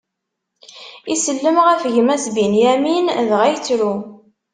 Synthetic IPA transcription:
isəlːəmʁəfʝəmæsbinjæminðʁæjt͡sːɾu

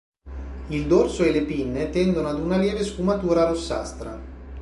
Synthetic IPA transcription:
ild̪orsoelepinːet̪ɛnd̪onoad̪unaljɛːvesfumat̪uːɾaɾosːa̰st̪ɾa̰

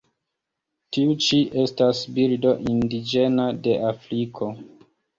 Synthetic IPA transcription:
tiut͡ʃiʔe̞stasbiɾdo̞ʔindid͡ʒe̞nade̞ʔafɾikʰo̞

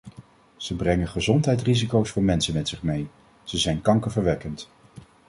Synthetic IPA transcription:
z̥əbrɛŋəχəzɔntɦɛjtrizikowsfʊːɹmɛnsənmɛtsɪχmej | z̥əzɛjnkɑŋkəvəɹʋɛkənt

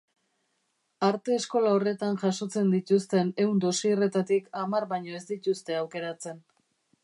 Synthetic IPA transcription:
aɾt̪e̞ːsko̞lao̞re̞t̪anʝaso̞t͡se̞nd̪it̪ust̪e̞ne̞und̪o̞siːre̞t̪at̪ikamarβajɲo̞e̞zd̪it̪ust̪e̞awke̞ɾat͡se̞n

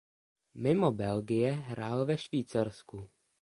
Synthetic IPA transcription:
mɪmobɛlɡɪjɛɦɾaːlvɛʃviːt͡saɾsku

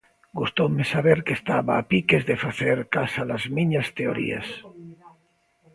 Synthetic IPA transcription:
ɡust̪omesaβeɾkest̪aβaːpikezðefaθeɾkasalazmiɲast̪eo̰ɾḭa̰s

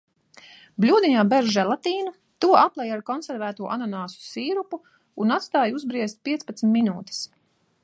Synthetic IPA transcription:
blʲuːd̪iɲaːbɛʒʒɛlˠat̪iːnu | t̪uɔʔaplˠɛjaɾkɔnsɛɾvæːt̪uɔʔanɔnaːsu̥siːɾupuː | nat̪st̪aːjuzbɾiɛst̪̚pʲiɛt̪spat̪smʲt̪ʲminuːt̪i̥s

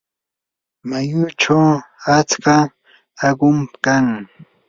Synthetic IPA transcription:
majʊʈ͡ʂawat͡ska | aɢʊmkaŋ

